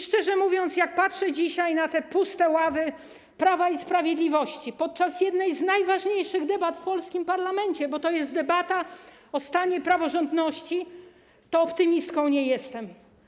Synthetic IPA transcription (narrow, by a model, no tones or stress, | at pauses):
ʂt͡ʂɛʐɛmuvʲjɔnt̪sjak̚patʂɛd͡ʑiɕajnat̪ɛpust̪ɛwavɘ | pɾavaispɾavʲjed̪lʲivɔɕt͡ɕipɔt̪̚t͡ʂasjɛd̪nɛjznajvaʐɲejʂɘɣd̪ɛbat̪fpɔlskʲimpaɾlamɛɲt͡ɕɛbɔt̪ɔjɛst̪̚d̪ɛbat̪a | ɔst̪aɲɛpɾavɔʐɔnd̪nɔɕt͡ɕi | t̪ɔːpt̪ɘmʲist̪kɔ̃w̃ɲɛjɛst̪ɛm